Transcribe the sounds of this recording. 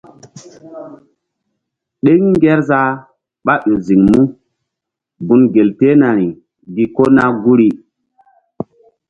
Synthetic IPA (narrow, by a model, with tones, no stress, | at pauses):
ɗe˦ŋi˦ŋɡe˦ɾza˦ | ɓa˦ɗo˨zi˨ŋmu˦ | ɡu˨nɡe˨lte˦na˨ɾi˨ | ɡi˨ko˦na˦ɡu˦ɾi˦